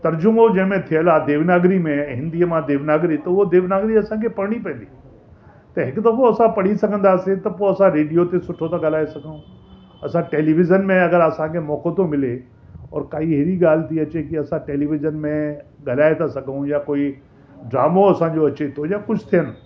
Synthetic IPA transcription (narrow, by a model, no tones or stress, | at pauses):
t̪ɐɾd͡ʑʊmod͡ʑɐ̃ɦmẽt̪ʰijəlad̪eːʋnaːɡɾimẽɦɪ̃nd̪iəmãd̪eːʋnaːɡɾit̪ɐʊod̪eːʋnaːɡɾiɐsãkʰepɐɽɽ̃ipɐ̃ːnd̪iː | t̪ɐɦɪkd̪ɐfoɐsãpɐɽ̤isɐɡʱə̃nd̪aːsẽt̪ɐpoːɐsãɾeːɖijot̪esʊʈʰot̪aɡɐlaːesɐɡʱəũ | ɐsãʈeːliʋɪzənmẽɐɡəɾɐsãkʰemɔːkot̪õmɪle | ɔ̰ːɾkaːiɦɪɾiɠaːl̤ɪt̪ʰiɐt͡ɕekiɐsãʈeːliʋɪzənmẽɠɐlaːet̪ʰasɐɡʱũjakoːi | ɖɾaːmoɐsãɲd͡ʑoɐt͡ɕet̪ʰojakʊt͡ʃʰt̪ʰijən